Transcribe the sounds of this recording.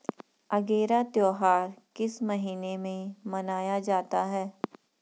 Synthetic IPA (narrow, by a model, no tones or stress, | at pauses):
ɐɡeːɾat̪joːɦaːɾkɪsmɐɦiːnemẽmɐnaːjad͡ʒaːt̪aɦɛː